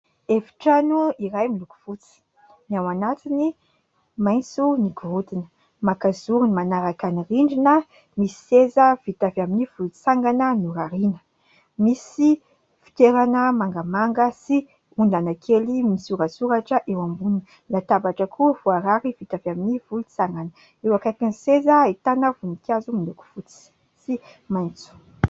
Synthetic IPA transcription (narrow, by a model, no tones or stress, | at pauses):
efi̥ʈ͡ʂanuiɾajmiluku̥fut͡si̥ | niawanat̪ini | majnt͡suniɡuɾut̪inə̥ | makazuɾunimanaɾakaniriɳɖ͡ʐinə | misi̥sezəv̥it̪avaminivut͡saŋɡanənuɾaɾinə̥ | misi | fi̥t̪eɾanəmaŋɡamaŋɡəsi | und̪anakʰelimisuɾasuɾaʈ͡ʂəʔewambuni | nat̪abaʈ͡ʂəkʰuvuaɾaɾivit̪avaminivulut͡saŋɡanə | ewakakinisezəit̪anəvunikʲazuminuku̥fut͡si̥ | si | majnt͡su̥